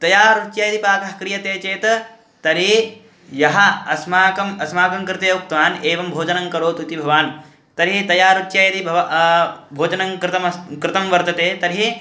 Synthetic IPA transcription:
t̪ɐjaːɾut͡ʃjajɐd̪ipaːkɐɦɐ̥kɾijɐt̪eːt͡ʃeːt̪ɐ | t̪ɐɾi | jɐɦɐɐsmaːkɐmɐsmaːkɐŋkɾɪt̪eːuk̚t̪ʋaːneːʋɐmbʱoːd͡ʒɐnɐŋkɐɾoːt̪ut̪ibʱɐʋaːn | t̪ɐɾɦit̪ɐjaːɾut͡ʃjaːjɐd̪ibʱɐʋ | bʱoːd͡ʒɐnɐŋkɾt̪ɐmkɾɪt̪ɐmʋɐɾt̪ɐt̪eːt̪ɐɾɦi

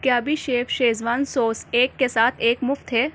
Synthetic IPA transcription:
kjaːbʱiʃeːfʃeːzʋaːnsoːseːkːesaːt̪ʰeːkmʊft̪ɦɛː

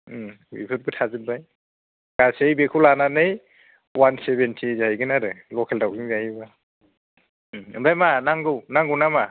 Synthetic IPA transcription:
wḭbʰɯt̚bɯtʰazɯnbaj | ɡ̥asejbekʰulananɯj | wansebentʰizajɡɯnaɾɯlɔkʰeldawɡiŋzajiba | ɯ̰bajmanaŋɡɯwnaŋɡɯwnama

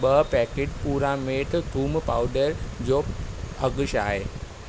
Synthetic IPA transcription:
ɓɐpɛːkeːʈpuːɾãmeːʈ̪d̪ʱuːmpaːʊɖəɾd͡ʑoːɐɡʊʃa̰ːɦeː

